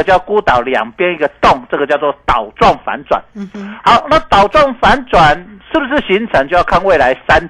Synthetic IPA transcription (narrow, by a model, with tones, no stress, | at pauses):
t͡ɕjʊku˦t̪ɑ˨˩ʊljɑ̰˨˩ŋpjɛ˦˥ni˥˩ɡə˨˩t̪ʊ˥˨˩ŋʈ͡ʂə˥˧ɡə˩t͡ɕjɑ˥˧ʊt͡s̬wɔ˥˩t̪ɑ˨˩ʊt͡swɑ˥˩ŋfa̰˧˦nt͡swa̰˨˩nha˨˦ʊna˥t̪ɑ˨˩ʊt͡swɑ˥˩ŋfa˧˦nt͡swa˨˩nʂɻ̩˥˩bu˩ʂɻ̩˥˩ɕi˧˥ŋt͡sʰə˧˦ŋt͡ɕjo˥˧ʊjkʰa˥˧nwe˥˩ɪla˧˦ɪsa˦˥n